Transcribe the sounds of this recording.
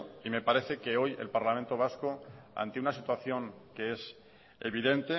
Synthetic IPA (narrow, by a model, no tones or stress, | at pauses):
ime̞paɾe̞θe̞ke̞o̞je̞̰lpaɾlamẽnt̪o̞β̞askoa̰nt̪eunasit̪waθjo̞ŋke̞e̞s | e̞βiðe̞nt̪e